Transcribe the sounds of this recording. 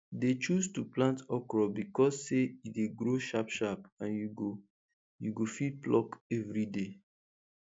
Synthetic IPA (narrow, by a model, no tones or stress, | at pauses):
det͡ʃustuplãntɔkɹɔbikɔsːeideɡɾoʃapʃapãnjuɡo | juɡofid̚plɔkɛvɹide